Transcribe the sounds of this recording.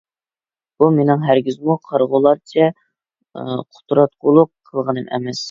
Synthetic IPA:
b̥umenɪŋɦæɾɡʲizmuqʰɑɾʁʊlˠɑɾt͡ʃʰɛ | qʰʊ̥t̪ʰɾɑt̪̚qʊlˠʊqʰːəlˠʁənɨmʔɛ̰mɛs

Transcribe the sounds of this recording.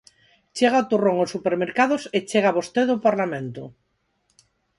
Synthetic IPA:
t͡ʃeɣaot̪uroŋosːupeɾmeɾkaðoset͡ʃeɣaβost̪eðopaɾlamẽnt̪o

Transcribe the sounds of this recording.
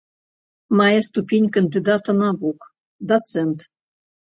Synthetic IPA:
mɑjast̪upʲenʲkənd̪id̪ɑt̪ɤnɑβuk | d̪ot̪t͡sent̪

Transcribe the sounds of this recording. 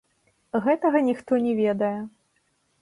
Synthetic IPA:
ɣɛt̪ɐɣɐnʲixt̪ɔnʲɛvʲɛd̪ɐjɛ

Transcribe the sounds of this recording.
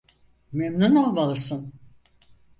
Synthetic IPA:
memnunolˠmalˠɯsɯn

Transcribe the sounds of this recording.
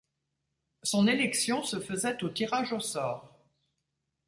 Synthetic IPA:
sɔ̃nelɛksjɔ̃səfəzɛt̪ot̪iʁaʒosɔːʁ

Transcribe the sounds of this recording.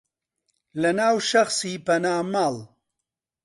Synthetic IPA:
lɐnaːwʃɐxsiːpɐnaːmaːl

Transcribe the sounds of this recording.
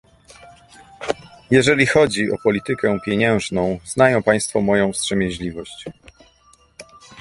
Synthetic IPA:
jɛʐɛlʲixɔd͡ʑiʔɔ̰pɔlʲit̪ɘkɛpʲjeɲɛ̃w̃ʐnɔ̃w̃znajɔ̃w̃paj̃st̪fɔmɔjɔ̃w̃stʂɛmʲjɛʑlʲivɔɕt͡ɕ

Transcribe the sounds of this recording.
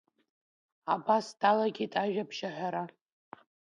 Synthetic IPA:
abasd̥alaɡʲitʼaʒᶣabʒaħʷᶣaɾa

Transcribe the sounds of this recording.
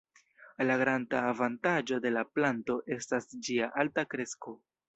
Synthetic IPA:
laɡɾandaːvantad͡ʒo̞de̞laplanto̞ʔe̞stasd͡ʒiaʔaltakɾe̞sko

